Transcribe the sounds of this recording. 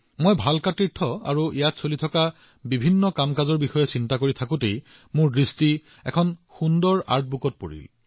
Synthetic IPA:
mojbʱalkatiɹtʰɔa̰ɹuijatsolitʰɔka | bibʱinːɔkamkazɔɹbixɔjɛsintakoɹitʰakʊ̃tej | mʊɹdɹisti | ɛ̰kʰɔnxundɔɹa̰ɹt̚ʰbukɔt̚po̰ɹḭl

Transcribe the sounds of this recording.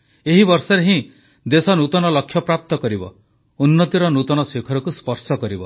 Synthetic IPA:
eɦibɔɾsɔɾeɦĩ | d̪esɔnut̪ɔnɔlɔkʰːjɔpɾap̚t̪ɔkɔɾibɔ̰ | unːɔt̪iɾɔnut̪ɔnɔsekʰɔɾɔkuspɔɾsɔkɔɾibɔ

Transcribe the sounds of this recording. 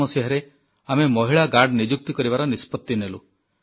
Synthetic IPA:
ɔseɦɔɾe | amemɔɦiɭaɡaɾɖnid͡ʒuk̚t̪ikɔɾiβaɾɔnispɔt̪ːinelṵ

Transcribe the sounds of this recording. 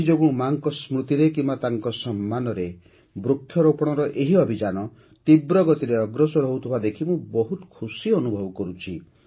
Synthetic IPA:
id͡ʒoɡuɽ̃ũmaŋkɔsmɾut̪iɾekimbat̪aŋkɔsɔmːanɔɾe | bɾukʰːjɔɾopɔɽ̃ɔɾɔʔeɦiɔbʱid͡ʒanɔ | t̪ibɾɔɡɔt̪iɾeɔɡɾɔsɔɾɔɦut̪ʰubad̪ekʰimũbɔɦut̪ɔ̥kʰusiɔnubʱɔbɔkɔɾut͡ʃʰi

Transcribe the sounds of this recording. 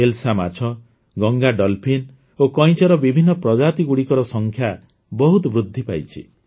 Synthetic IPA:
elsama̰t͡ʃʰɔ | ɡɔŋɡaɖɔlpʰin | okɔj̃t͡ʃɔɾɔbibʱinːɔpɾɔd͡ʒat̪iɡuɽikɔɾɔsɔŋkʰja | bɔɦut̪ɔbɾud̪ʱːipajt͡ʃʰḭ

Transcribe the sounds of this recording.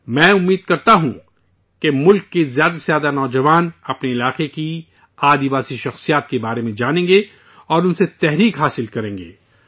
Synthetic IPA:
mɛ̃ːʊmːiːd̪̚kɐɾt̪aɦũ | kemʊlkːezjaːd̪asjaːd̪anɔːd͡ʒɐʋaːnɐpneɪlaːqeki | aːd̪ibaːsiʃɐxsijaːt̪kebaːɾemẽd͡ʒaːnẽːŋɡe | ɔːɾʊnset̪ɛɦɾiːkɦaːsɪlkɐɾẽːŋɡḛː

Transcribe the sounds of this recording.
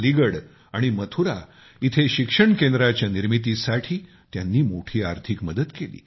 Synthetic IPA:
liɡəɽ | aɽ̃imət̪ʰuɾa | it̪ʰeɕikʂəɳkẽnd̪ɾat͡ɕjaniɾmit̪̬isaʈʰiː | t̪janːiːmoʈʰiːaɾt̪ʰikməd̪əd̪kelḭː

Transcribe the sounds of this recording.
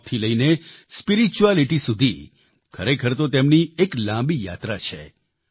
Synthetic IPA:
t̪ʰiləinespiɾit͡ʃualiʈisud̪ʱi | kʰəɾekʰəɾt̪ot̪emnieklãmbija̰t̪ɾat͡ʃʰe

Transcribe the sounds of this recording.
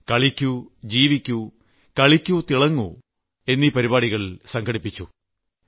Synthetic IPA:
kɐɭikʲːud͡ʑiːʋikʲːu | kɐɭikʲːut̪iɭɐŋːu | e̞nːipɐɾibaːɽiɣɐɭsɐŋɡɐɽipːit͡ɕːu

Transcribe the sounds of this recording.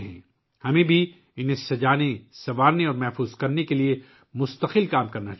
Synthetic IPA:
ɦɛ̰̃ː | hɐmẽbʱi | ɪnɦẽsɐd͡ʒaːnẽsɐʋaːɾneɔːɾmɛɦfuːzkɐɾnekelie | mʊst̪əqɪlkaːmkɐɾna

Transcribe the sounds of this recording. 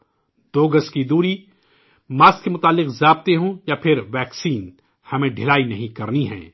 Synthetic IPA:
d̪oːɡəskid̪uːɾi | maːskemʊt̪aːlːɪqzaːb̚t̪eɦõjapʰɪɾʋɛːksiːn | hɐmẽɖʱɪlaːinɐɦĩkɐɾniɦɛ̰̃ː

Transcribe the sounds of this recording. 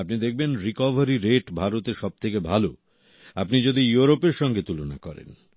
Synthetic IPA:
apnid̪ek̚ʰbenɾikɔbʱaɾiɾeʈbʱaɾot̪eʃɔb̚t̪ʰekebʱalo | apnid͡ʑod̪ijuɾopeɾʃɔŋɡet̪ulona̰kɔɾḛn

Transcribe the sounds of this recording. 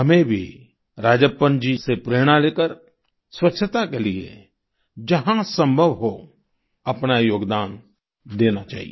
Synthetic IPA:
ɦɐmẽbʱi | ɾaːd͡ʒəpːə̃nd͡ʒisepɾeːɽ̃aleːkəɾ | swətːʃʰət̪akeliḛ | d͡ʒɐɦãsə̃mbʱəʋɦo | ɐpnajoːɡd̪aːn | d̪eːnat͡ʃa̰ːɦḭ

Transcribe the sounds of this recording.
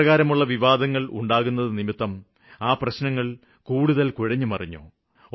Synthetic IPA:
ɐɣaːɾɐmuɭːɐʋiʋaːd̪ɐŋːɐɭṵɳɖaːɣunːɐðɨnimit̪ːɐm | aːprɐɕnɐŋːɐɭ | kuːɽuðɐlkuɻɐɲːumɐrɐɲːṵ

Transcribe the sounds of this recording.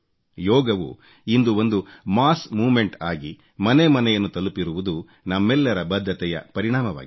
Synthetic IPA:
jɔːɡɐʋṵ | ind̪uo̞nd̪umaːsmuːme̞ɳʈa̰ːɡi | mɐnemɐnɛjɐnːut̪ɐlupiɾuʋud̪u | nɐmːɛlːɐɾɐbɐd̪ʱːɐt̪ɛjɐ̰pɐɾiɳaːmɐʋa̰ːɡ

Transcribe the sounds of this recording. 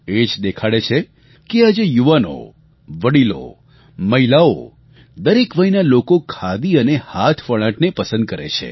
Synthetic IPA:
ed͡ʒd̪ekʰaɭet͡ʃʰe | kead͡ʒejuʋano̰ | ʋəɽilo̰ | məɦilao̰ | d̪əɾekʋəinalokokʰad̪iənehat̪ʰfəɭãʈnepəsə̃nd̪̚kəɾḛt͡ʃʰḛ

